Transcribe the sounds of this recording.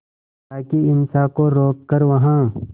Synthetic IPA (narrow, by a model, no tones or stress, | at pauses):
t̪aːkiɪnsaːkoɾoːkːɐɾʋɐɦãː